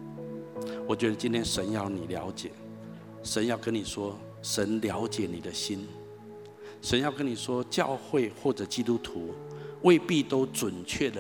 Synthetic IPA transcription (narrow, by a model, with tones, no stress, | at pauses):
wɔ˨˩t͡ɕɥɛ˧˦d̪ə˧t͡ɕi˦nt̪ʰjɛ˥nʂə˧˦njɑ˥˩ʊni˨˩ljaɑ̰˧˥ʊt͡ɕjɛ̰˨˩˦ | ʂə˧˦njɑ˥˧ʊkə˦nni˨˩ʂwɔ˦ | ʂə˨˧˦nljɑ˧˥ʊt͡ɕjɛ˨˩ni˨˩d̪ə˦ɕi˦n | ʂə˧˦njɑ˥˩ʊkə˦ni˨˩ʂwɔ˥t͡ɕjɑ˥˧ʊxwe˥˨ɪxwɔ˥˩ʈ͡ʂɤ˨˩t͡ɕi˥t̪u˦t̪ʰu˨˦we˥˧ɪpi˥˨t̪o˦ʊʈ͡ʂwə˨˩nt͡ɕʰɥɛ˥˩d̪ə˨